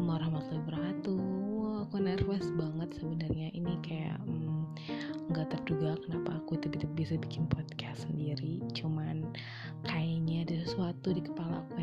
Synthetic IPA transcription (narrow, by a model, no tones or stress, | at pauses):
maɾahmat̪laibəɾɦat̪uakunɛrfɛsbaŋət̪̚səbənarɲaʔinikaja̰ʔm | ŋɡaʔt̪ərduɡakənapaːkuit̪upit̪up̚bisabikɪnpʰɔd̪̚kʰassəndiɾit͡ʃuman | kʰajaɲadasəsuat̪udikə̥pala̰ku